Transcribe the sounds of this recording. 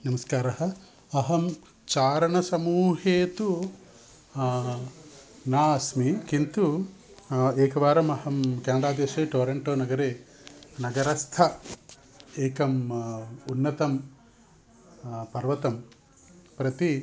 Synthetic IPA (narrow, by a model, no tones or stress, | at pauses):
nɐmɐskaːɾɐɦɐ̆ | ɐɦɐm | t͡ʃaːɾɐɳɐsɐmuːɦeːt̪u | naːɐsmikint̪u | eːkɐʋaːɾɐmɐhɐmkeːnɐɽaːd̪eːʃeːʈoːɾeɳʈoːnɐɡɐɾeː | nɐɡɐɾɐst̪ʰɐ | eːkɐm | unːɐt̪ɐm | pɐɾʋɐt̪ɐm | pɾɐt̪i